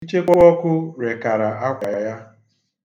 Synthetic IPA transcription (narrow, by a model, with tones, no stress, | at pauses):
i˦t͡ʃe˦kʷɔ˦ɔ˦kʷʊ˦ɾe˨ka˨ɾa˨a˦kʷa˨a˨ja˦